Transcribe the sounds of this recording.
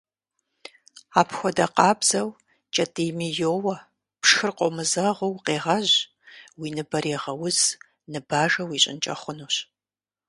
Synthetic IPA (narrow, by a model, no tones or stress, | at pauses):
aːpxʷɔdɐqɑːbz̥ɐw | t͡ʃʼɐtʼimijoːwɐ | pʂxɨrqʷʼɔmɨzɐʁʷʊwqeːʁɐʑ | wiːnɨbɐɾeːʁɐwʊz | nɨbaːʒɐwiːɕʼɪ̰nt͡ʃʼɐ̰χʷʊnuːɕ